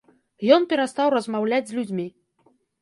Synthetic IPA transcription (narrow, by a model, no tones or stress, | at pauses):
jɔnpʲɛɾast̪awrɐzmawlʲad͡zʲzʲlʲud͡zʲmʲi